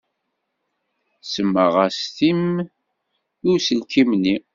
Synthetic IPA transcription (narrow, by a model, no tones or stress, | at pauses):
səmːəʁæst̪im | ʊɾsəlkimni